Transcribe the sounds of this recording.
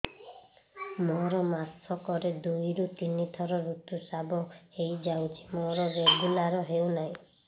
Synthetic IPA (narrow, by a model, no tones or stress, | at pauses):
mɔɾɔmasʰɔkɔɾed̪ujɾut̪init̪ʰɔɾɔɾut̪usabɔejd͡ʒawt͡ʃʰi̥mɔɾɔbeɡulaɾɔɦewnaɦĩ